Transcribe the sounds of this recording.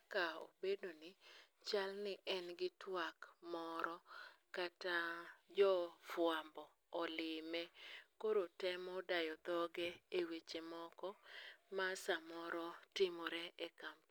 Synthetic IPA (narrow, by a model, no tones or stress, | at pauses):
kao̰bedonɪ | t͡ʃalnɪʔɛnɡɪtwakmɔɾɔkatad͡ʒɔfwambɔː | lɪmɛkoɾotɛmɔdajɔd̪ɔɡɛewet͡ʃemɔkɔmasamɔɾɔtɪmɔɾɛekamp